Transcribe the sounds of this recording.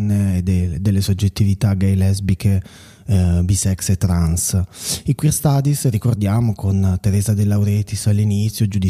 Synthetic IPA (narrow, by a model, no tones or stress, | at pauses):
ned̪ed̪ːelːesod͡ʒːet̪ːivit̪aɡajlɛzbikʰe | bisɛkset̪ːɾansikwirst̪aːd̪isrikord̪jaːmokʰont̪eɾɛːzad̪elːawɾeːt̪isalːinit̪sjod͡ʒud̪i